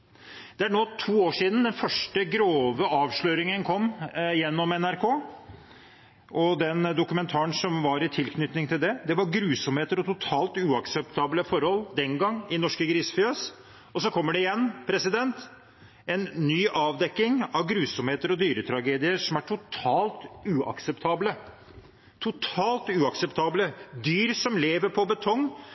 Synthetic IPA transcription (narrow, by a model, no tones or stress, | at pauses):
d̪̥ɛæɳoːt̪ʰuːoːʂiːd̪n̩d̪ɛnfœʂʈəɡɾoːʋəɑːʋʂɭøːɾɪŋənkʰɔmːjɛnːɔmɛnæɾkʰoː | ʔɔd̪ɛnd̪ʊkʉmɛnt̪ʰɑːəɳsɔmʋɑɾɪt̪ʰɪlkʰnʏt̪nɪŋt̪ʰɪld̪ɛd̪ɛʋɑɾɡɾʉːsɔmheːt̪əɾɔt̪ʊt̪ʰɑːlt̪ʉːɑksɛpt̪ʰɑːbləfɔɾhɔld̪ɛnɡɑŋːɪnɔʂkəɡɾiːsfʏøs | ɔsɔkʰɔmːəɖɛɪjɛnːpʰɾɛsɪd̪ɛnt̪ | ɛnːyːʔɑːʋd̪ɛkːɪŋɑʋɡɾʉːsɔmheːt̪əɾɔd̪yːɾət̪ʰɾɑɡeːd̪ɪəʂɔmæʈʰʊt̪ʰɑːlt̪ʉːɑ̰ksɛpt̪ʰɑːblə | t̪ʰʊt̪ʰɑːlt̪ʉːɑksɛpt̪ʰɑːbləd̪yːɾsɔmleːʋəɾpʰɔbət̪ʰɔŋː